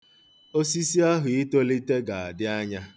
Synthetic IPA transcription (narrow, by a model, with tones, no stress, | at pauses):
o˦si˦si˦a˦ɦʊ˨i˦to˦li˦te˦ɡa˨a˨dɪ˦a˦ɲa˦